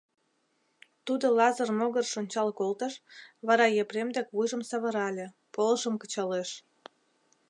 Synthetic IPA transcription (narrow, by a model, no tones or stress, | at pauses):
t̪ud̪olɑzərmoɣərʃonʲt͡ɕɑlkolt̪əʃβɑɾɑjepɾemd̪ekβujʒə̆msɑβə̆ɾɑlʲe | poləʃəmkə̥t͡ɕɑleʃ